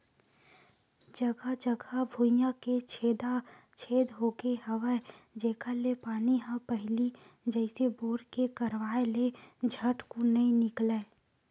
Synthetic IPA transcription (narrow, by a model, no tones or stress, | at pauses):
d͡ʒɐɡad͡ʒəɡʱabʱujãket͡ʃʰeːd̪at͡ʃʰeːd̪ɦoːɡeɦɐʋad͡ʒeːkʰalepaːniɦãpəɦɪlid͡ʒɛːɪseboːɾkekɐɾʋaːeled͡ʒʱəʈkonɐĩnɪkleː